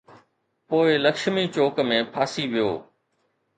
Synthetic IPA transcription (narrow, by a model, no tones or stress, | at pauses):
poːɪlɐkʃmit͡ɕoːkmẽːpʰaːsiʋijo̰ː